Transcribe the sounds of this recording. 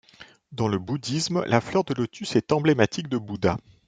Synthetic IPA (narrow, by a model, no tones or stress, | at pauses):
d̪ɑ̃ləbud̪ismlʔaflœʁd̪əlot̪ysɛt̪ɑ̃blemat̪ik̚d̪əbud̪a